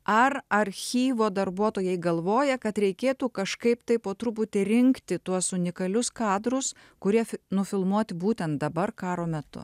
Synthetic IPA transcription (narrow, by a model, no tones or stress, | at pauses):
ɐɾɐɾʲxʲiːʋoːd̪ɐɾbuɔt̪oːjɛɪɡɐlˠʋoːjɛkɐt̪ɾʲɛɪkʲeːt̪uːkɐʃkɐɪpt̪ɐɪpoːt̪ɾʊp̬ʊt̪ʲɪɾʲɪŋkt̪ʲɪt̪uɔsʊnʲɪkɐlʲʊskɑːd̪ɾʊs | kʊɾʲiɛnʊfʲɪlˠmuɔt̪ʲɪbuːt̪ʲɛnt̪̚d̪ɐbɐɾkɑːɾoːmʲɛt̪ʊ̰